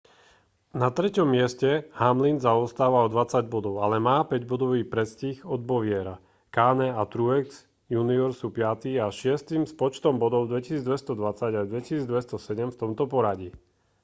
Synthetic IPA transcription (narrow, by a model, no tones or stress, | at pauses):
nat̪ɾɛcɔmːɪɛscɛhamlinzaɔst̪aːʋaɔd̪ʋat͡saɟbɔd̪ɔʊalɛmaːpɛɟbɔd̪ɔʋiːpɾɛscixɔd̪̚bɔʋɪɛɾa | kaːnɛat̪ɾuɛks | juniɔɾsuːpɪat̪iːaʃɪɛst̪imspɔt͡ʃt̪ɔmbɔd̪ɔʊd̪ʋɛci̥siːd͡zd̪ʋɛst̪ɔd̪ʋat͡saɟad̪ʋɛcisiːd͡zd̪ʋɛst̪ɔsɛɟɛmft̪ɔmt̪ɔpɔɾaɟi